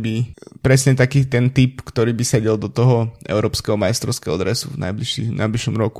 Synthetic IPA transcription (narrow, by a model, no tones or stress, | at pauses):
bipɾɛsɲɛt̪akiːt̪ɛnt̪ipkt̪ɔɾiːbisɛɟɛlˠd̪ɔt̪ɔɦɔɛ̰ʊɾɔːpskɛɦɔmajst̪ɾɔʊskɛɦɔɔd̪ɾɛsṵvna̰ɪbliʃḭna̰jbliʃɔmɾɔku̥